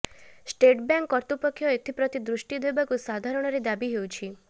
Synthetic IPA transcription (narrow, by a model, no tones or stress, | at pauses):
sʈeʈbjaŋkːɔɾt̪upɔkʰːjɔet̪ʰipɾɔt̪id̪ɾuʃʈid̪ʱojbakusad̪ʱaɾɔɽ̃ɔɾed̪abiɦewt͡ʃʰi